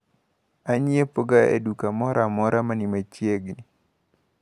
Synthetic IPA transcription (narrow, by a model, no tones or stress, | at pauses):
aɲiepoɡaḛdukamɔɾʔamɔɾamanimat͡ʃjeɡni